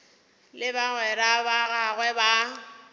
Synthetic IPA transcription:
lɪbaɣwɛɾabaɣaɣwɛba

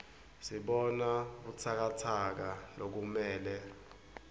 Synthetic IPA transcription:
siɓɔnakut͡sʰak̬atʰak̬alok̬umɛːlɛ

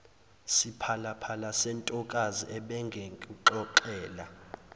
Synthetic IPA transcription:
sipʰalapʰalasɛntʼɔkʼaziʔɛɓɛŋɡʱeŋkʼuǃɔǃɛːla

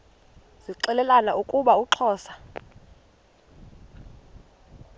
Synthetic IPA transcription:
z̥iǀɛlɛlanaukʼuɓauǁʰɔːsḁ

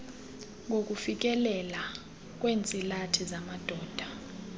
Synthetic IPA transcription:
ŋok̬ʼufik̬ʼɛlɛla | k̬ʼweːnt͡sʼilatʰizamad̥ʱɔːd̥ʱa

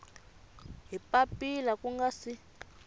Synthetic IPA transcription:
ɦipapilakuŋɡasi

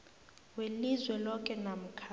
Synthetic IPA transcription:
welizwɛlɔkʼɛnam̩kʰa

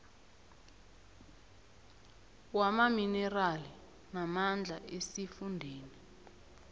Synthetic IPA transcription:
wamaminɛrali | namand͡ɮʱaʔesifundʱeːni

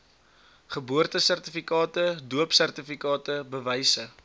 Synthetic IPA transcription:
χəbuərtəsærtəfikɑːtəduəpsærtəfikɑːtəbəvɛjsə

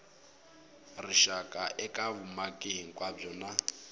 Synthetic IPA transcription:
riʃakʼaʔɛkʼaβumakʼeɦiŋ̩kʼwab͡ʐɔna

